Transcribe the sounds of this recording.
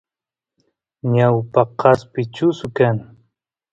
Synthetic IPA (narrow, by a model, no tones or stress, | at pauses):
ɲawpaqʰɑspɪt͡ʃʊsʊkaŋ